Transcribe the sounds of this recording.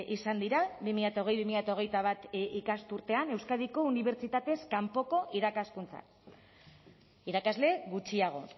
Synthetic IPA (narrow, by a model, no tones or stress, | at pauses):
ʔisand̪iɾaβimiʎat̪aoɣ̞e̞jβimiʎat̪ao̞ɣ̞e̞jt̪aβ̞at̪ikast̪uɾt̪e̞ane̞wskaðiko̞uniβ̞e̞ɾt͡ʃit̪at̪e̞skampo̞ko̞ʔiɾakaskunt͡sa̰ | iɾakazle̞ɣut͡ʃiaɣ̞o̞̰